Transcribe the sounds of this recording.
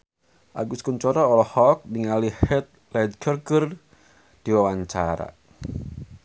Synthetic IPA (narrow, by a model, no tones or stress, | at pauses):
ʔa̰ɡuskuɲt͡ʃɔɾɔːlɔhɔk̚niŋalihɛt̪̚lɛd̪̚kərɡər | d̥iwawaɲt͡ʃaɾa̰